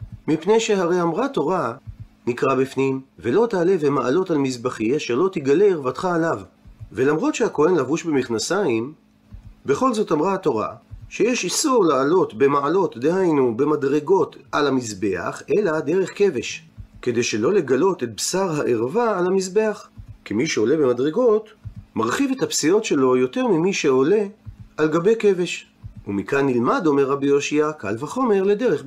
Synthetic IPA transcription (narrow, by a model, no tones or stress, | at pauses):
mipne̞jʃeɦaʁe̞jamʁat̪o̞ʁa | nikʁabifnimvelo̞t̪aːle̞vemaʔalo̞talmisbaχiaʃeʁlo̞t̪iɡaleːʁvat̪χaːlavve̞lamʁo̞t̪ʃehako̞he̞nlavuʃbe̞miχnasaim | be̞χo̞lzo̞tamʁaat̪o̞ʁa̰ʃejeʃisuʁlaːlo̞t̪be̞maalo̞t̪d̪ehajnube̞madʁe̞ɡo̞t̪alamisbe̞a̰χʔe̞lade̞ʁe̞χke̞veʃke̞d̪ejʃe̞lo̞le̞ɡalo̞tet̚bsaʁɦaʔeʁvaːlamisbe̞aχkimiʃeo̞le̞be̞madʁeɡo̞tmaʁχivethapsijo̞tʃe̞lo̞jo̞te̞ʁmimiʃe̞o̞le̞alɡabe̞jke̞ve̞ʃ | umikanːilmado̞meʁːabijoʃiaka̰lvaχo̞me̞ʁle̞de̞ʁeχ